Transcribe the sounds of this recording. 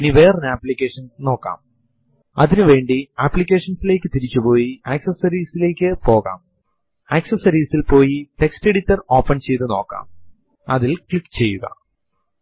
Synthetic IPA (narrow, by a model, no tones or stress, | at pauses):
eniʋe̞ːrɐnaːplikʲːeːʂɐnsno̞ːkːa̰ːm | ɐðinɨʋe̞ːɳɖiaːpːlik̬ʲːe̞ːʂɐnsile̞ːkːɨt̪iɾit͡ɕːupo̞ːjiaːksɐsɐɾiːsile̞ːkʲːɨpo̞ːɣa̰ːm | aːksɐsɐɾiːsilpo̞ːjite̞kste̞ɽitːɐro̞ːpːɐnt͡ɕe̞jt̪ːɨno̞̰ːkːa̰ːm | ɐðilklikːt͡ɕe̞jːuɣɐ̰